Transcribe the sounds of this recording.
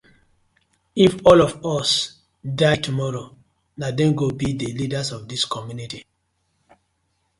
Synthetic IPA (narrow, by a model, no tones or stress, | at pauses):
ifɔlɔvɔs | daɪtumɔɹo | nadɛ̃nɡobidəlidasɔvdiskʰɔmjuniti